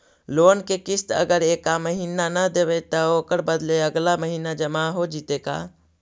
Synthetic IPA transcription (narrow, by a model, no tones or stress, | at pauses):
loːnkekist̪ə̰ɡəɾekaməɦinanəd̪ebɛt̪əokəɾbəd̪leəɡlaməɦinad͡ʒəmaɦod͡ʒit̪eka̰